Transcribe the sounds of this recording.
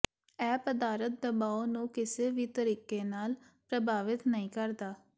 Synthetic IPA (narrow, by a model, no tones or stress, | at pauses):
ɛːpəd̪aːɾət̪̚d̪əbaːoːnũːkɪseːʋiːt̪əɾiːkeːnaːl | pɾəbʱaːʋɪt̪nəɦĩːkəɾd̪aː